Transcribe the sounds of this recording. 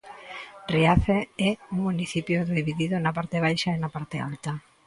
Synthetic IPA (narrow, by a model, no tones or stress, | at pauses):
riaθeɛuŋmuniθipjoðiβiðiðonapaɾt̪eβ̞ajʃaenapaɾt̪ea̰lt̪a